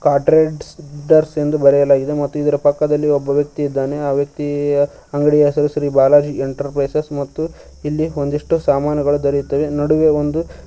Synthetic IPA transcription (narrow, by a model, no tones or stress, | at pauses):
kaːʈɾeɖsɖɐɾse̞nd̪ubɐɾɛjɐlaːɡid̪e̞mɐt̪ːuid̪ɐɾɐpɐkːɐd̪ɐlːiobːɐʋjɐk̚t̪iid̪ːaːne̞aːʋjɐk̚t̪i | ɐŋɡɐɽijɐɦɛsɐɾusɾiːbaːlaːd͡ʒieɳʈɐɾpɾɐjsɐsmɐt̪ːu | ilːiond̪iʂʈusaːmaːnɐɡɐɭud̪ɐɾit̪ːɐʋenɐɽuʋe̞ond̪u